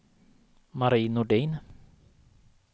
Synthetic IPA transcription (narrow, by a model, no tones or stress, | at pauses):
maɾiːnʊɖɛjn